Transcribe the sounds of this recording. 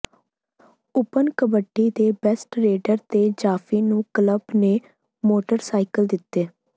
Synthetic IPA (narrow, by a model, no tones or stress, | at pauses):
ʊpənkəbəʈːiːd̪eːbɛsʈɾeːɖəɾt̪eːd͡ʒaːfiːnũːkləbneː | moːʈəɾsaːikəld̪ɪt̪ːeː